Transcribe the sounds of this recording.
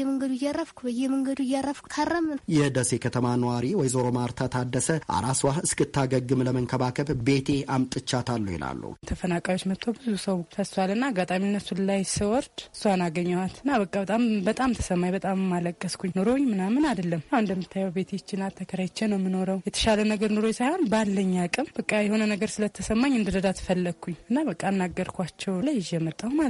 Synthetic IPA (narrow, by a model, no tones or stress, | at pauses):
ɛməŋɡəd̪ujarːəfkʷʰubəjɛməŋɡəd̪ujarːəfkʰʷu̥k̪ʰarəmjɛd̪əsekʰət̪ʰəmanəwaɾiwɔjzoɾomaɾt̪ʰat̪ʰad̪ːəsəʔa̰ɾaswaɨskɨt̪ʰːaɡəɡɨmləməŋkʰəβakʰəbbe̞t̪ʰe̞amt̪ʼɨt͡ʃːat̪ʰalːəwjɪ̰la̰lːṵt̪ʰəfənakʼajot͡ʃːmət̪ʰowbɨzusəwt̪ʰəswalɨnːaːɡːat̪ʼaminːəsullajsɨwɔɾd̪ɨsːuanaɡəɲːawat̪ɨnːaβəkʼːabət̪ʼambət̪ʼamt̪ʰə̥səmːajbət̪ʼammːaləkʼːəskʰʷuɲːno̞ɾo̞ɲmɨnamɨnad̪əlːəmjawɨnd̪əmːɨt̪ʰːajːɛwbe̞t̪ʰet͡ʃːɪnat̪ʰːəkʰəɾajt͡ʃːɛnəwmɨno̞ɾəwjɛt̪ʰə̥ʃalənəɡəɾno̞ɾojsajho̞nbalːəɲːakʼɨmb̥əkʼːajɛho̞nənəɡəɾsɨlət̪ʰːəsəmːaɲːɨnd̪ɨd̪əd̪at̪ʰɨ̥fəlːəkʰːuɲɨnːabəkʼːaɨnːaɡəɾkʰʷat͡ʃːɛwlajʒɛmət̪ʼːawma